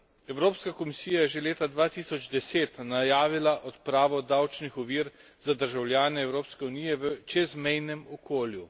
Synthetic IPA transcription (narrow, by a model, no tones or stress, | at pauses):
ɛwɾoːpskakɔmisiːjajɛʒeleːt̪ad̪ʋaːt̪iːsɔd͡ʒd̪ɛseːt̪najaːʋilaʔɔt̪pɾaːʋɔd̪awt͡ʃnixɔʋiːɾ | z̥ad̪əɾʒawlʲjaːnɛɛːwɾoːpskɛunijɛʋət͡ʃɛzmɛjnɛmɔkʰoːlju